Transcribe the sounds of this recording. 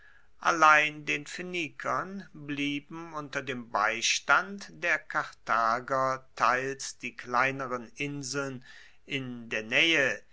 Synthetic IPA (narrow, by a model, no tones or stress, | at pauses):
ʔa̰laɪndeːnfenikʰɐnbliːbm̩ʊntɐdeːmbaɪʃtantd̥eːɐkʰaʁtʰaːɡɐtʰaɪlsd̥iːklaɪnəʁənʔɪnzl̩n | ʔɪndeːɐnɛːə